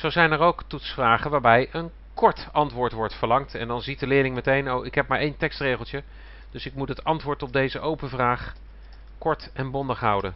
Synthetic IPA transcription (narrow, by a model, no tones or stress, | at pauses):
z̥owzɛjnɛɹowktutsfraːχənʋaːɹbɛjən | kɔɹtɑntʋʊːɹtʋɔɹtfəɹlɑŋtɛ̰ndɑnzit̚dəlɪːɹlɪŋmətejnowɪkɦɛp̚maːɹejntɛkstrejχəlˠtjə | d̥ɵsɪk̚mutɦətɑntʋʊːɹtɔb̚dejzəʔowpənvraːχ | kɔɹtɛnbɔndəχɦʌwdən